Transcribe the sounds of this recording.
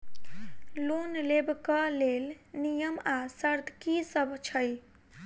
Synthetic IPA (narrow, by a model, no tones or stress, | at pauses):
lonlebʱkəlel | nijəmasəɾd̪ʱkisəbʱt͡ʃʰəj